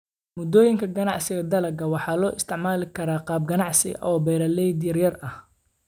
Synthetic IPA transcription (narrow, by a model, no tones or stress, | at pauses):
mʊd̪ɔːjɪŋkʰɐɡɐnɑʕsɪɣɐd̪ɐlɐɡɐwɑħɑːlɔːʔɪst̪ʰɪʕmaːlɪkʰɐɾaːqɑːb̚ɡɐnɑʕsɪ̰ʔɔːbɛjɾɐlɛjd̪jɐrjɐrɐh